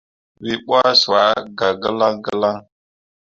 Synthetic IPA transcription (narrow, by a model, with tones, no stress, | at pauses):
wi˦ɓʷa˦swa˨˦ɡa˨ɡə˦la˦ŋɡə˦la˦ŋ